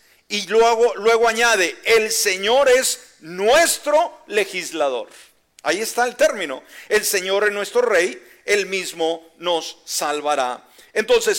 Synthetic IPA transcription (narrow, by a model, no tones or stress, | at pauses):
ieɣolwe̞ɣoaɲaðe̞elseɲo̞ɾe̞z | nwe̞st̪ɾo̞le̞xizlaðo̞̰ɾ | a̰ie̞st̪aelt̪e̞ɾmĩno̞̰e̞lse̞ɲo̞ɾeznwe̞st̪ɾo̞re̞j | e̞lmizmo̞ | no̞sːalβaɾa̰ | ent̪o̞nse̞s